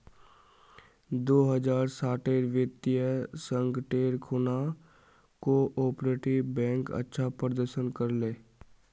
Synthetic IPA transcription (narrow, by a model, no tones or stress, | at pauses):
d̪oːɦəd͡ʒaːɾsaːʈeːɾʋɪt̪jəsə̃ŋɡʈeːɾkʰʊna | koʔoːpɾeːʈiʋbɛ̃ːŋkə̰tːʃʰapɾəd̪əɾʃənkəɾleː